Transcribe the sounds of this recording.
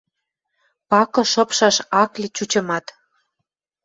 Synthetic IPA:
pɑkɤ̆ʃɤ̆pʃɑʃɑklʲit͡ɕut͡ɕɤ̆mɑt̪

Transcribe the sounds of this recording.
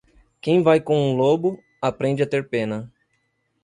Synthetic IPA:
kẽj̃vajkõũlobʊ | apɾẽnd͡ʒɪat̪eɾpẽnɐ

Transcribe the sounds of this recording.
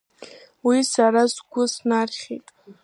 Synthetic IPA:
wisaɾasɡʷʊsnarχʲḛtʼ

